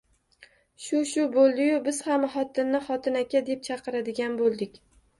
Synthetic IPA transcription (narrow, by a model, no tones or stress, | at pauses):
ʃʊʃʊbolˠd̪ɪjʊbɪz̥hamχɒt̪ʰɪnːɪχɒt̪ʰɪnakʲad̪e̞p̚t͡ʃʰɑqɨɾad̪ɪɡʲanbolˠd̪ɪkʲ